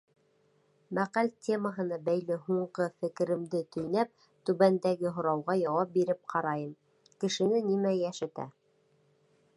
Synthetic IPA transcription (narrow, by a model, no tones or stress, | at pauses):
mæqælʲt̪ʲʰe̞məɦɤ̆nɑbæjlɘɦuɴɢɤfɘ̆kɘ̆ɾɘ̆md̪ɘt̪ɵ̆jnæp̚ | t̪ʉβænd̪æɡɘɦŏɾɑwʁɑjɑwɑp̚biɾɘp̚qʰɑɾɑjɤm | kɘ̆ʃɘ̆nɘnimæjæʃɘ̆t̪æ̰